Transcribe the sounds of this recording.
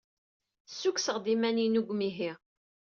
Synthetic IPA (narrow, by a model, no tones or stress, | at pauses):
sːuksəʁd̪imæninuɡʷmiɦi